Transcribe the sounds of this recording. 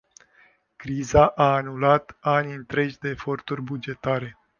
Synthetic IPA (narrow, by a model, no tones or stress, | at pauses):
kɾizaʔaːnulat̪aniɨnt̪ɾe̞d͡ʒʲd̪e̞ːfo̞rt̪urʲbud͡ʒe̞t̪aɾe̞